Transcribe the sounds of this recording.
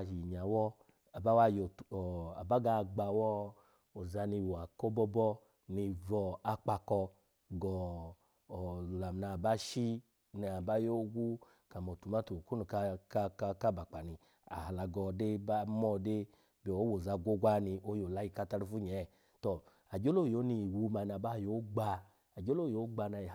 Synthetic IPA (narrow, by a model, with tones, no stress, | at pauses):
a˨ʃi˨ɲa˨wɔ˦ | a˨ba˦wa˦˨jo˨tɔ˨a˨ba˦ɡa˧˨ɡ͡ba˧˨wɔ˦ | o˨za˧ni˧˨wo˨a˨kɔ˦bɔ˦bɔ˦ | ni˧vɔ˧a˧k͡pa˧kɔ˧ | ɡɔ˨ | la˨m˨na˧˨ba˦ʃi˦ | nɛ˧a˨ba˦jo˦ɡʷu˦ | ka˨mɔ˨tu˨ma˦to˨ku˦nu˨ka˧˦ka˧ka˦ba˨k͡pa˨ni˧ | a̰˨a˨la˧ɡɔ˧de˦ba˦mɔ˦˧de˦ | bi˨o˨˦wo˨za˧ɡʷo˦ɡʷa˦ni˧ʔo˧jo˨la˧˦ji˧ka˧ta˧ɾu˧fu˦ɲɛ˨˦˨ | tɔ˨ | a˨d͡ʒo˦lo˦˨jo˨˦ni˧˨wu˧˦ma˧˨˧na˨˧˨ba˦jo˨˦ɡ͡ba˧ | a˨d͡ʒo˦lo˦˨jo˨˦ɡ͡ba˧˨na˧i˨